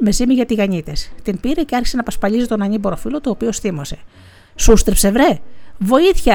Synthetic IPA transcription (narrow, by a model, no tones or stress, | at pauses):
me̞zimiʝɐt̪iɣɐɲit̪e̞st̪inpiɾe̞ce̞ɐɾçisenɐpɐspɐlʎis̬et̪o̞nɐɲibo̞ɾo̞filo̞t̪oːpiosθimo̞se̞̥ | sust̪ɾpse̞vɾe̞vo̞iθçɐ